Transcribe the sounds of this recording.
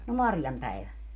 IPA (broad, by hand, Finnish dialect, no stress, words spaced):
no mɑrjɑm pæiʋæ